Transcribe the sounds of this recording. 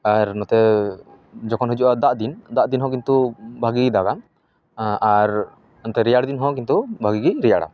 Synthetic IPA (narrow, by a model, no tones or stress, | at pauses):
aɾnɔt̪ɛ | d͡ʒɔkʰɔnɦud͡ʒuʔad̪aʔd̪ind̪aʔd̪inɦɔ̃k̬int̪ubʱaɡiɡid̪aɡa | aɾ | nɔt̪ɛɾijaɽd̪inɦɔ̃kint̪ubʱaɡiɡiɾijaɽa̰